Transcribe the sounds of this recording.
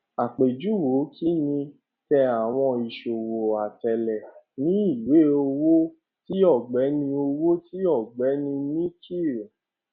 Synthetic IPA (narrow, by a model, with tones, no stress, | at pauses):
a˨k͡pe˨d͡ʒu˨˦wo˨˦kʰi˦nĩ˧ | tɛ˧a˨w̃ɔ̃˧i˨ʃo˨wo˨a˨tɛ˨lɛ˨ | nĩ˦i˦˨we˨˦o˧wo˦ | ti˦ɔ˦˨ɡ͡bɛ˨˦nĩ˧o˧wo˦ti˦ɔ˦˨ɡ͡bɛ˨˦nĩ˧nĩ˦ki˦˨